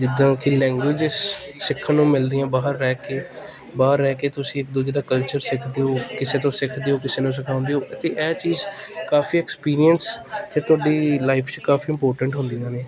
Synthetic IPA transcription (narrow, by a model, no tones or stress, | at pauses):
d͡ʒɪd̪ãːkɪlɛ̃ːŋɡwɪd͡ʒsːɪkʰːanũːmɪld̪iːãːbaːɦəɾːɛːkeː | baːɦəɾːɛːkeːt̪ʊsĩːɪk̚d̪ud͡ʒeːd̪aːkəlt͡ʃəɾsɪkʰd̪eːoːkɪseːt̪̬õːsɪkʰd̪eːoːkɪseːnũːs̬ɪkʰãːʊ̃nd̪eɦoːʔət̪eːʔɛːt͡ʃiːzkaːfʰiːɛːkspiːɾijənskɪt̪ʊaːɖiːlaːɪpʰt͡ʃkaːfʰiːɪmpoːɾʈəɳʈɦʊ̃nd̪iːãːne